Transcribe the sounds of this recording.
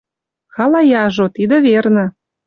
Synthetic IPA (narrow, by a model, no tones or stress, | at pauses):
xɑlɑjɑʒot̪id̪ə̆βernə̆